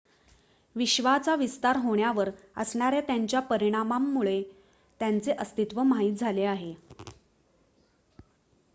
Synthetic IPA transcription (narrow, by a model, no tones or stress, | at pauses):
ʋiɕʋat͡saʋist̪aɾɦoɳjaʋəɾ | əsɳ̃aɾjat̪jaɲt͡ɕjapəɾiɽ̃amamːuɭe | t̪jant͡seʔəst̪it̪ʋəmaɦiːt̪̚d͡zʱaleaɦe